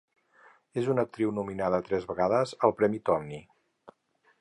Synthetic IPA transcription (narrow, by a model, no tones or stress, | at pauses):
ezunək̚t̪ɾiwnuminaðəːt̪ɾɛzβəɣaðəzəlˠpɾɛmit̪ɔmni